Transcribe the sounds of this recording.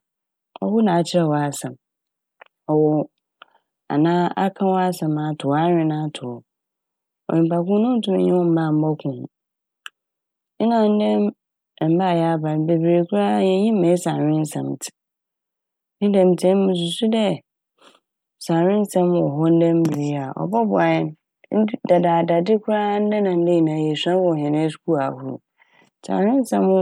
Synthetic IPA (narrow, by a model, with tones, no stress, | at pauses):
ɔ̰˦hʊ˦nã˨t͡ɕʰɪ˦ɾɛ˨wɔ˨a˨sã˨m | ɔ˨wɔ˨ | a̰˨nãː˦a̰˦kʰã˦wɔ˦a˦sɛ̃˨mã˨tʰʊ˨a˦ɾᶣɪ̃˨nã˦tʰʊ˨ɔ˨ | ɔ̰˨ɪ̃˨m˨pa˨kʊ̃˦nʊ̃˦tʰũ˦m˨ɲɛ̃˦wɔ̃˦m̩˦mã˦˨m̩˦bɔ˦kʰʊ̃˨ñ˨ | ɪ˦nã˨n̩˦dɛ̃˦m˨ | m̩˦ba˦˨jɛ˨˦a˦ba˨ɾbe˨bi˨ɾe˨kʰʊ˦ɾa˦jɛ̃˨˦ɲĩ˦mɛ̃˨˦sã˨ɪ̃˦n̩˦sã̰˨mtʰɪ̥˨ | n̩˦dɛ̃˦˨m˨tʰɛ̃˦m˦mʊ̃˨s̬u˨su˦dɛ˦˨ | sã˨ɾɪ̃˦n̩˦sã˦m˦ɔ˨ɦɔ˦n̩˦dɛ̃˦m̩˦bi˨ɾɪ˦a˨ɔ̰˨bɔ˦bʊ˨a˨jɛ˦n̩˦ | da˨da˨da˨dɪ˦kʰʊ˦ɾa˦n̩˦dɛ˦nã˨n̩˦dɛ̃˦˨nã˨jɛ˨sã˦wɔ˦˨ɦɛ̃˨nɛ̃˦su̥˨kʰu˦a˨hu˨ɾṵ˨ | sã̰˨ɾɪ̃˦n̩˦sã˦m˦